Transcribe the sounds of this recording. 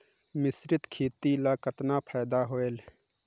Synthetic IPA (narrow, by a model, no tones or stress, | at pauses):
mɪsɾɪt̪kʰeːt̪ilaːkət̪naːpʰaːjd̪aːɦoːeːl